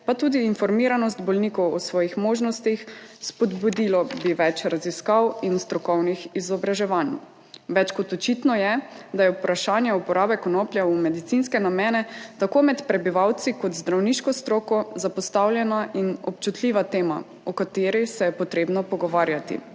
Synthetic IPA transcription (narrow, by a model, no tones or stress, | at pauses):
pat̪uːd̪iːnfɔɾmiːɾanɔst̪bɔlniːkɔwɔsʋɔːjixmoːʒnɔst̪ixspɔd̪bud̪ilɔbiʋɛt͡ʃɾaziskawinst̪ɾɔkɔwnixizɔbɾaʒɛʋaːn | ʋɛt͡ʃkɔt̪ɔt͡ʃit̪nɔjɛd̪ajɛupɾaʃaːnjɛupɔɾaːbɛkɔnoplʲjaumɛd̪it̪sinskɛnamjɛːnɛt̪akoːmɛt̪pɾɛbiʋawt̪sikɔt̪zd̪ɾawniːʃkɔst̪ɾoːkɔzapɔst̪awljɛnaʔinɔp̚t͡ʃut̪lʲiːʋat̪eːma̰ | ɔkat̪eːɾisɛjɛpɔt̪ɾeːbnɔpɔɡɔʋaːɾjat̪ḭ